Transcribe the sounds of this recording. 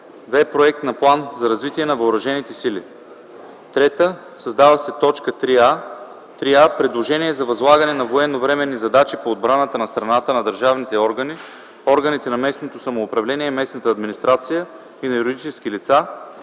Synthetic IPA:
vɛpɾoɛk̚t̪nɐplˠanzɐɾɐzvit̪iɛnɐvɐoɾɐʒɛnit̪ɛsilḭ | t̪ɾɛt̪ə | sɐzd̪avɐsɛt̪ɔt͡ʃkət̪ɾia | t̪ɾiapɾɛd̪lˠoʒɛniɛzɐvɐzlˠaɡənɛnɐvoɛnːovɾɛmɛnːizɐd̪at͡ʃipoːd̪bɾanət̪ənɐst̪ɾɐnat̪ənɐd̪əɾʒavnit̪ɛɔɾɡəni | ɔɾɡənit̪ɛnɐmɛsnot̪osɐmoːpɾɐvlɛniɛmɛsnət̪əːd̪minist̪ɾat̪sijə | inɐjuɾid̪it͡ʃɛsk̟ilit̪sa

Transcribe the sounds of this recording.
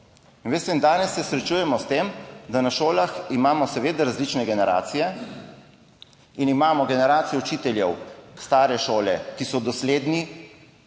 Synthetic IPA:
inʋeːst̪ɛind̪aːnɛsːɛsɾɛt͡ʃujɛmɔst̪emd̪anaʃoːlaximaːmɔsɛʋeːd̪aɾazlit͡ʃnɛɡɛnɛɾa̰ːt̪sijɛ | inimaːmɔɡɛnɛɾaːt̪sijɛut͡ʃiːt̪ɛljɛwst̪aːɾɛʃoːlɛkisɔd̪ɔsleːd̪ni

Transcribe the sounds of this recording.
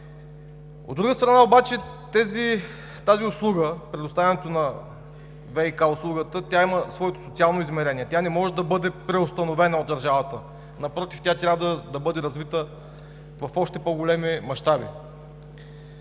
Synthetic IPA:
o̰d̪ɾuɡəst̪ɾɐnaobat͡ʃɛ | t̪ɛzi | t̪aziʊslˠuɡəpɾɛd̪ʊst̪avʲɐnɛt̪onɐ | vɛikaʊslˠuɡət̪ət̪ʲaiməsvɔɛt̪o̥sot̪sialˠnoizmɛɾɛniɛt̪ʲjanɛmɔʒɛd̪ɐbɤd̪ɛpɾɛʊst̪ɐnovɛnəod̪ɐɾʒavɐt̪ə | nɐpɾɔt̪ift̪ʲat̪ɾʲavdəd̪ɐbɤd̪ɛɾɐzvit̪ə | vɐfɔʃt̪ɛpoɡolɛmimɐʃt̪abḭ

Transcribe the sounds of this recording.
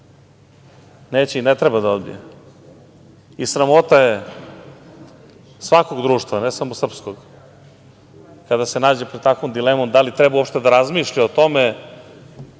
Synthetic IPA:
neːt͡ɕeinet̪ɾebad̪ao̞d̪̚bḭje | isɾamo̞t̪aje | sʋako̞ɡd̪ɾuːʃt̪vanesamosr̩pskoɡ | kad̪ase̞naːd͡ʑepɾed̪t̪akvomd̪ilemomd̪alit̪ɾebaupʃt̪e̞d̪aɾazmiʃʎaot̪o̞me

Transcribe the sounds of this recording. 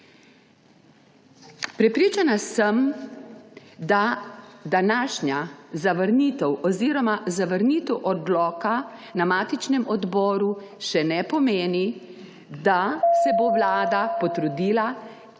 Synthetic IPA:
pɾɛpɾiːt͡ʃanasəm | d̪ad̪anaːʃɲazaʋəɾniːt̪ɛwɔziːɾɔmazaʋəɾnit̪ɛwʔɔd̪lɔːkanamaːt̪it͡ʃnɛmɔd̪bɔːɾuʃɛnɛpɔmeːni | d̪asɛboʋlaːd̪apɔt̪ɾud̪iːla

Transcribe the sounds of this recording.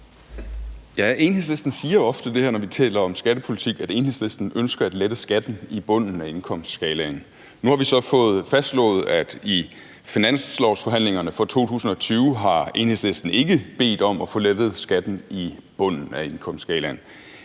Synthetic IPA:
jæe̝nhesle̝sd̥n̩siːɐɒ̽fd̥əd̥e̝hæɐnɒʋit͡sʰɛ̰ːlɐɒ̽msɡ̥æɾ̥əpʰo̝lit͡sʰiɡ̥æd̥e̝nhe̝sle̝sd̥n̩ønsɡ̥ɐæd̥led̥əsɡ̥æd̥n̩ib̥ɔ̽n̰n̩æe̝nkʰɒ̽m̰sd̥sɡ̥ɛːlæn | nuhɑ̈ʋisɒ̽fɔ̽ːð̩ˠfæsd̥lɔ̰̽ːð̩ˠæd̥i | finæn̰slɒʊsfɒ̽ɦæn̰leŋɐnəfɒ̽t͡sʰo̝̰ːt͡sʰṵːsn̩ɒ̽t͡sʰyːʊɦɑ̈e̝̰nhe̝sle̝sd̥n̩e̝ɡ̥əb̥e̝̰ːd̥ɒ̽mɒfɔ̽led̥ð̞̩ˠsɡ̥æd̥n̩ib̥ɔ̽n̰n̩æe̝nkʰɒ̽m̰sd̥sɡ̥ɛːlæn

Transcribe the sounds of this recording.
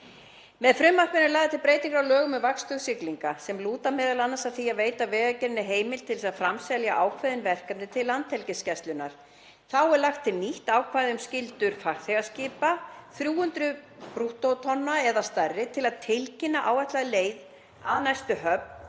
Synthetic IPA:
mɛðfɾʏmːakvɪnːʏlaːɣðɪt̪ʰɪlpɾeːjt̪iŋkɾawlœːɣʏmɛðvakst̪ʏɣsɪkliŋkasɛmluːt̪amɛːðalanːasaðθiaveːjt̪avɛːɣacɛɾɪnɪɦeːjmɪlt̪ʰɪlsaðfɾamsɛljaʔaːwkʰvaðɪnvɛr̥kam̚nɪt̪ʰɪlːant̪hɛlcɪscɛst̪lʏnːa̰ɾ̥ | θawɛɾlaxt̪ʰːɪlniht̪aːwkʰvajðɪʏmscɪlt̪ʏɾ̥fakθɛɣasciːpaθɾjuːʏnt̪ɾʏpɾuht̪owt̪ʰɔnːaɛðast̪arːɪt̪ʰɪlaðt̪ʰɪlcɪnːaʔaːwɛht̪laðleːjð | aðnajst̪ʏɦœpn

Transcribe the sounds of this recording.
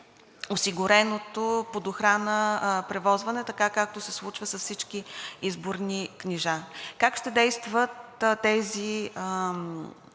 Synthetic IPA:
osiɡʊɾɛnot̪opod̪oxɾanəpɾɛvɔzvɐnɛt̪ɐkakak̚t̪osɛslˠut͡ʃvəsɐsfsit͡ʃkiizboɾnikniʒakakʃt̪ɛd̪ɛjst̪vət̪t̪ːɛziəm

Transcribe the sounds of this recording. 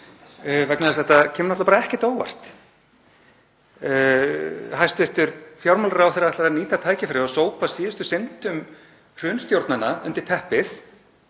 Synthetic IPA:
vɛknaðɪst̪θɛt̪acʰɛːmnɔt̪lapaɾaɛhcɛ̥t̪oːwa̰r̥t̪ | hajst̪ʏht̪ʏɾθjawɾmalaɾawθejɾaɛht̪laɾaniːt̪at̪ʰaːjcɪfɪɾɪasoːwpasiːðʏst̪ʏsɪnt̪ʏm | r̥ʏnst̪jowɾt̪nanːaʔʏ̰nt̪ɪɾ̥t̪ʰɛhpɪθ

